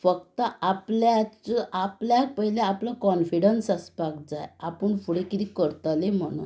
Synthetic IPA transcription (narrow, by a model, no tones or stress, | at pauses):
fəkt̪əaplat͡səʔapljak̚pəɦileaplakɔnfiɽənsaspakd͡zajapəɳfuɽekit̪ikəɾt̪alem̤əɽ̃ṵn